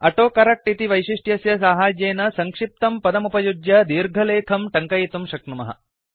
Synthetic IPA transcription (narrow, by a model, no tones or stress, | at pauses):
ɐʈoːkɐɾɐk̚ʈit̪iʋɐjʃiʂʈjɐsjɐs̬aːɦaːd͡ʒeːnɐsɐŋkʂip̚t̪ɐmpɐd̪ɐmupɐjud͡ʒ̪jɐd̪iːɾɡʱɐleːkʰɐmʈɐŋkɐjit̪umʃɐk̚ɳɐmɐ̰ɦɐ̰